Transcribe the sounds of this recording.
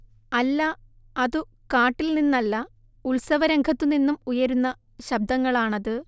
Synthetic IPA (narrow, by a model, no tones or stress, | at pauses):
ɐlːɐ | ɐðɨ | kaːʈːilninːɐlːɐ | uɭsɐʋɐɾɐŋɡʰʱɐt̪ːuninːumujɐɾunːɐ | ɕɐb̚d̪ɐŋːɐɭaːɳɐðɨ